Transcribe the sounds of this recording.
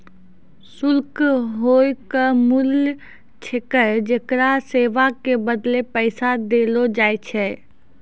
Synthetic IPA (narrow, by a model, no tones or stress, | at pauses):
sʊlkɦojkəmul | t͡ʃʰekəd͡ʒekɾaseːʋakebəd̪lepəɪsad̪elod͡ʒaːjt͡ʃʰɛ